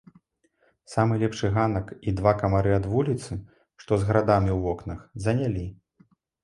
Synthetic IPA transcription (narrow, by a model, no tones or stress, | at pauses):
samɨlʲɛpʂɨɣanɐkid̪vakɐmaɾɨad̪vulʲit̪sɨ | ʂt̪ɔzɣɐɾad̪amʲiwvɔknɐxzɐnʲalʲi